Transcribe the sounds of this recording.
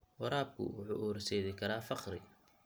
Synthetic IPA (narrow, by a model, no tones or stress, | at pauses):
wɐɾaːb̚kʰʊ̰wʊħṵʔɔːɾsɛːðɪkʰɐɾaːfɑqrɪ